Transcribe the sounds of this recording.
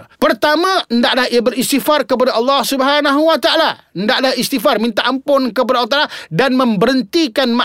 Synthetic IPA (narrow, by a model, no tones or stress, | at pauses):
pərt̪amãəndaʔlahiabəɾist̪ifarkəp̬adaʔɑlːɑhsubəɦanaɦuwat̪aʔala | əndaʔlahist̪ifarmĩnt̪aʔampʊnkəpadalwat̪aʔaladanmə̃mbəɾənt̪ikanmã